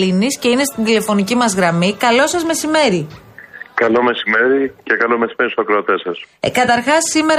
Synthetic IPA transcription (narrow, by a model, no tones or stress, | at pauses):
inisce̞ine̞st̪ind̪ile̞fo̞nicimɐzɣɾɐmikɐlo̞sɐzme̞sime̞ɾi | kɐlo̞me̞sime̞ɾicekɐlome̞simeɾisokɾeot̪esɐskɐt̪ɐɾxɐsːime̞ɾ